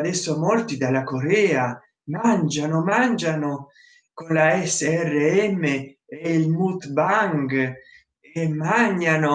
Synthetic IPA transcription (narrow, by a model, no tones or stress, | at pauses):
d̪ɛsːomɔlt̪id̪alakoɾɛːa | mand͡ʒanomand͡ʒano | konlaɛsɛrːeɛmːeeilmut̪baŋɡ | emːaɲːano